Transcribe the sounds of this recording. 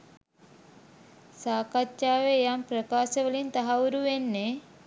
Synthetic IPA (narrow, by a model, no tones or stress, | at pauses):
saːkatt͡ʃaːʋeːjamprəkaːsəʋəlint̪aɦauɾuʋenːe